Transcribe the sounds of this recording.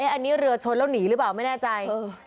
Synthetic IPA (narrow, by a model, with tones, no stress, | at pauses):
ʔeː˦˥˩ʔa˧nːiː˦˥ɾɯ˧ɐt͡ɕʰo˧nla˥˩wniː˩˦ɾɯː˦˥paː˨˩wma˥˩jnɛː˥˩t͡ɕa˧jː